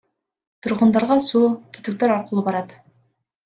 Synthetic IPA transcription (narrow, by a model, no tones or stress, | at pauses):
t̪ʰʊɾʁənd̪ɑɾʁɑsut̪ʰʏ̥t̪ɪk̚t̪eɾɑɾqəlˠəbɑɾɑd̪ə